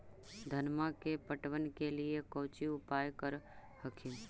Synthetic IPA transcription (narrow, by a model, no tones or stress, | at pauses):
d̪ʱənmãkepəʈʋənkeliekəʋt͡ʃiʊpajkəɾ | həkʰim